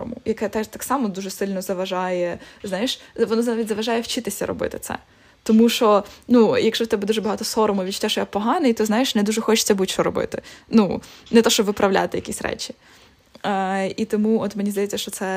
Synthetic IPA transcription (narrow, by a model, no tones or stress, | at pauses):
ʊ̰mʊ̰jɐkɛt̪ɛt̪ɑksɑmɔd̪uʒɛsɪlʲnɔzɐʋɐʒɑjɛznɑjɪʃʋɔnɔznaʋʲitʲzɐʋɐʒɑjɛwt͡ʃɪt̪ɪsʲɐ̰ɾɔ̰bɪ̰t̪ɪ̥t̪sɛ̰ | t̪ɔmuʃɔnujɐkʃɔwt̪ɛbɛd̪uʐɛbɐɦɑt̪ɔsɔɾʊmʊʋʲit͡ʃt̪ʲɛʃɔjapɔɦɑnɪjt̪ɔzɑjɪʃnɛd̪uʒɛxɔt͡ʃɪ̥t͡sʲɐbutʲʃɔɾɔbɪ̰t̪ɪnunɛt̪ɔʃt͡ʃɔbʋɪpɾɐwlʲa̰t̪ɪjɐ̰kʲisʲɾɛ̰t͡ʃi | it̪ɔmuɔt̪menʲizd̪ɐjet͡sʲːɐʃt͡ʃɔtsɛ